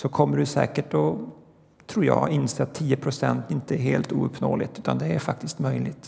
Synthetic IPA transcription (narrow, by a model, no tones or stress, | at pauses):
sɔkʰɔmːəɖɵsɛ̰ːkəʈɔ | t̪ʰɾuːɾjɑ̰ːɪnseːat̪ʰːiːəpʰɾʊsɛ̰nt̪ɪnt̪əæɾɦeːlt̪ṵːɵpʰːnoːlɪ̰t̪ʉ̟ːt̪a̰nd̪ɛæɾfak̚t̪ɪst̪mœjlɪt̪